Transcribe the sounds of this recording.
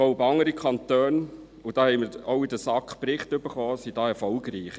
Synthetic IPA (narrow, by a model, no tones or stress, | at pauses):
ɔʊpɑŋəɾikʰχɑntøːn | ud̥ɑːhɛɪməɾoʊidəsɑkχpɾɪχtʏb̥əɾχɔːsid̥ɑːɛɾfɔlɡɾiːχ